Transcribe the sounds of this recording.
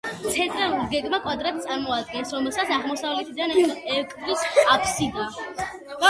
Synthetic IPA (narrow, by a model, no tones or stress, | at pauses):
t̪sʰɛnt̪ʼɾɛuɡɛɡʼmakʼwad̪ɾat̪̚t̪sʼaɾmɔad̪̚ɡɛnsɾɔmɛlˠsat̪saʁmɔsavlɛt̪ʰid̪anɛkʼɾisapʰsid̪a